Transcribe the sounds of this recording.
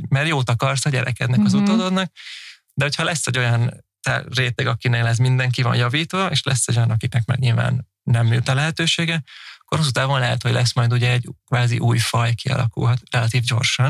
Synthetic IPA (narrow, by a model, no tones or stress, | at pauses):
mɛrjoːt̪ɒkɒrsɒɟɛɾɛ̰kɛd̪nɛkɒzut̪od̪oːd̪nɒk̚ | d̪ɛɦo̞chɒlɛsːɛɟo̞jɒnt̪ɛ̰reːt̪ɛɡɒkineːlɛs̬mind̪ɛŋkivɒ̰njɒviːt̪ʋɒeːʃlɛsːɛɟo̞jɒnɒkiknɛkmɛ̰ɡɲilva̰ːnː | ɛmːylt̪ɒlɛɦɛt̪øːʃeːɡɛɒkːorhos̬ut̪aːbonlɛɦɛt̪ho̞ɟlʔɛsmɒjd̪uɟɛɛɟkvaːzḭʔuːjfɒjkiɒ̰lɒ̰kṵlɦɒt̪rɛlɒt̪iːvɟo̞rʃɒn